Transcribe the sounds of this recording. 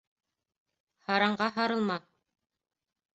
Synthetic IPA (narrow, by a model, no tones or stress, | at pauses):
hɑɾɑɴɢɑɦɑɾɤ̆lˠmɑ